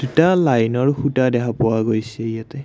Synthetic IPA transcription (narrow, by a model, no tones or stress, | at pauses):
d̥utalajnɔɹxutadɛkʰapʊwaɡojsɛijatɛ